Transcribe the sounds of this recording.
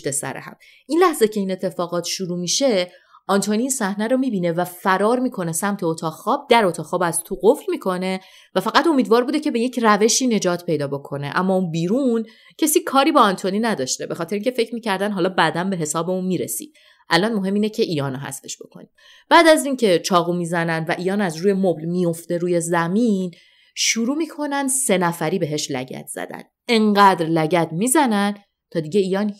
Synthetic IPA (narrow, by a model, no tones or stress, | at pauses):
t̪esæ̰ɾḛhæ̰m | ʔinlæhzecʰe̞ine̞t̪ʰːe̞fɒːɣɒːt̪ʰʃuɾuːmiːʃe̞ | ʔɒnt̪ʰoniːnsæhnæɾomiːbiːne̞væfæɾɒːɾmiːkʰo̞nesæmt̪ʰeot̪ʰɒːxɒːb̚d̪̥æɾot̪ʰɒːɒːbæzt̪ʰuɣoflmiːkʰo̞ne̞ | væfæɣæt̪o̞miːd̪vɒːɾbuːd̪ecʰe̞be̞je̞cʰræve̞ʃiːne̞d͡ʒɒːt̪ʰpʰe̞jd̪ɒːbo̞kʰo̞ne̞̰ʔæmːɒːunbiːɾun | cʰe̞siːkʰɒːɾiːbɒɒnt̪ʰoninæd̪ɒːʃt̪e̞be̞xɒːt̪ʰeɾeiŋcʰefe̞cʰɾmiːcʰæɾd̪ænɦɒːlɒːbæd̪ænbe̞ɦe̞sɒːbeunmiːɾesḭːd̪̥̚ | ʔælɒnmo̞ɦe̞mːiːnecʰe̞ʔiːjɒːnoɦæ̰st̪e̞̥ʃb̥o̞̰kʰo̞̰niːm | b̥æːd̪æziːncʰe̞t͡ʃʰɒːɣumiːzænænd̪væʔiːjɒːnæzɾuːje̞moblmijo̞ft̪e̞ɾuːje̞zæmin | ʃuɾuːmiːkʰo̞nænd̪se̞næfæɾiːbe̞ɦe̞ʃlæ̰ɟæ̰t̪ʰz̥æ̰d̪æ̰n̥ | e̞ɴɢæːd̪ɾlæɟæt̪ʰmiːzænæn | t̪ʰɒːd̪iːɟe̞iːjɒːn